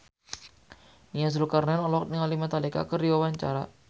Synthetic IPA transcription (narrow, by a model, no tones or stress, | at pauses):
nias̬lukarnɛnɔlwak̚t̪niŋalimat̪aleka̰kərdiwawaɲt͡ʃa̰ɾa